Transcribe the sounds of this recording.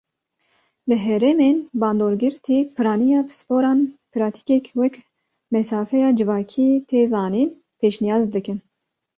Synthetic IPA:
lɨɦɛɾemeːnbɑːnd̪oːɾɡɨɾt̪ʰiːpʰɨɾɑːnijɑːbɨsɨ̥poːɾɑːnpʰɨɾɑːt̪ʰi̥kɛkwɛk | mɛsɑːfɛjɑːd͡ʒɨvɑːkʰiːt̪ʰeːzɑːniːn | pʰeːʃnijɑːzd̪ɨkɨn

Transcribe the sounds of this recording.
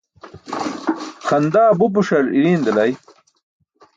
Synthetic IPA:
xɐnd̪aːbup̬uʂɐɾḭɾiːnd̪ɐlɐj

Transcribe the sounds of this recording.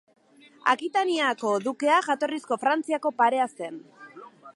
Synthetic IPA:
a̰kit̪aniako̞ðuke̞aʝat̪o̞risko̞fɾant͡siako̞paɾe̞ase̞n

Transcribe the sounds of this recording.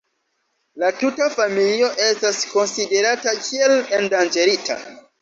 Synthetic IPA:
latutafamilio̞ʔe̞stasko̞nside̞ɾatakʰie̞lendand͡ʒe̞ɾitʰa̰

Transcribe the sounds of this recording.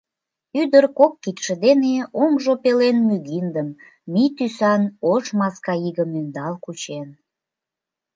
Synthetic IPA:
yd̪ərkokːit̪ʃəd̪eneomʒopelenmyɣind̪əmː | it̪ysɑnoʃmɑskɑiɣəmynd̪ɑlkut͡ɕen

